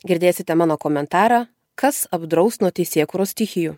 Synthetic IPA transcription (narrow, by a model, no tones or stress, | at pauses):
ɡʲɪɾʲd̪ʲeːsʲɪt̪ʲɛmɑːnoːkoːmʲɛnt̪ɑːɾɑː | kɐsɐbd̪ɾɐʊksnuɔt̪ʲɛɪsʲeːkuːɾoːst̪ʲɪxʲɪjuː